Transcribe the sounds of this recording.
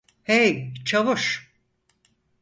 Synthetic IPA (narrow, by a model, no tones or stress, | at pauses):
hejt͡ʃʰavuʃ